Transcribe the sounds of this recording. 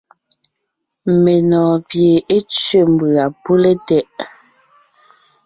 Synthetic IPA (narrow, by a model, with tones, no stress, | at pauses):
me˨nɔː˨pje˨e˦t͡sɥe˦m˨bʉ˨a˨pu˦le˦tɛ˦ʔ